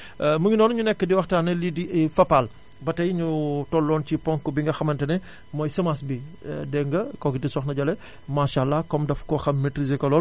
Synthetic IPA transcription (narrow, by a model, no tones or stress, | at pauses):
muɲinɔːnɲunɛkːədiwɐxtaːnɐlidiʔɛfɐpːal | bɐtɐjɲutɔlːɔncipɔŋkːubiŋɡɐxɐmɐntɐnɛ | mɔjsɐmasbidɛŋɡɐkɔːɡitisɔxnɐɟɐlɛ | maʃalːakɔmdɐfkɔxɐmːetɾizekɔlɔl